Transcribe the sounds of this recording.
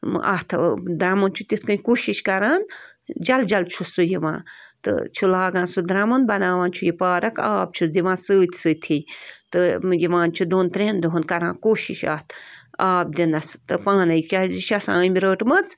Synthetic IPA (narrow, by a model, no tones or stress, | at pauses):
ʔa̰ht̪ʰd̪ɾɐmɐnt͡ʃʰut̪it̪ʰkɨ̃nʲkoːʃiʃkɐɾaːn | d͡ʒɐld͡ʒɐlt͡ʃʰusːɨjiʋã̰ːt̪ɨ̰t͡ʃʰulaːɡãːnsud̪ɾɐmɐnbɐnaːʋãːnt͡ʃʰujipaːɾɐka̰ːb̚t͡ʃʰusd̪iʋãːsɨːt̪ʲʰsɨːt̪ʰit̪ɨjiʋãːnt͡ʃʰud̪oːnt̪ɾẽːnd̪uɦunkɐɾãːnkoːʃiʃa̰ːt̪ʰaːb̚d̪inɐst̪ɨpaːnɐjkʲaziʃɐsã̰ːmiɾəːʈmɐt͡s